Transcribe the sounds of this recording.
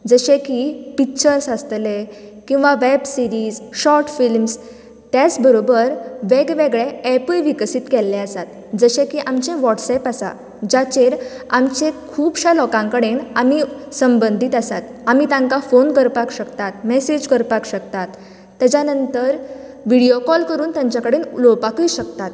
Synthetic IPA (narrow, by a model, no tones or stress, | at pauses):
d͡zəɕẽkipik̚t͡ɕəɾsəst̪le | kĩw̃ʋaʋɛbsiɾizɕɔɾʈfilms | t̪jat͡sbəɾobəɾʋeɡʋeɡɭẽɛpəlʋiksit̪kɛlːẽəsat̪ | d͡zəɕẽkiʔamt͡ɕẽʋɔʈsɛpasa̰ | d͡ʑat͡ɕeɾamt͡ɕẽkʰuːbɕalɔkãŋkəɽenamisəmbənd̪ʱit̪asat̪amit̪ãŋkafonkəɾpakɕəkt̪at̪mɛsed͡ʑkəɾpakɕəkt̪at̪ː | ad͡ʑanənt̪əɾ | ʋiɽijokɔlkəɾuːnt̪jãɲt͡ɕjakəɽenlopakəjɕəkt̪at̪